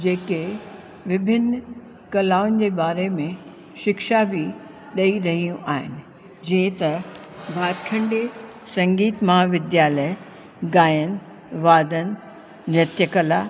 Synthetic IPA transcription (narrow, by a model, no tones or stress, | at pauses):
d͡ʑeːke | ʋɪbʱɪn | kɐlaːʊn̆d͡ʑeːbaːɾemẽ | ʃɪkʃabʱɪ | ɗɐiɾɐɦijũʔaːɦɪnɪ̆ | d͡ʑĩɪ̃t̪ɐ | bʱaːɾkʰɐ̃ɳɖe | sɐ̃ŋɡiːt̪mɐɦaːʋɪd̪jaːlə | ɡaːjən̆ | ʋaːd̪ən̆ | ʋjɐt̪jəkɐla